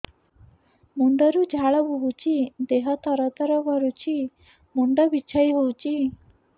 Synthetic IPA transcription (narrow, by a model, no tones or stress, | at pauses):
mund̪ɔɾud͡ʒʱaɭɔbʱuɦut͡ʃʰid̪eɦɔt̪ɔɾɔt̪ɔɾɔbɔɾut͡ʃʰi | mund̪ɔbit͡ʃʰaiɦowt͡ʃʰi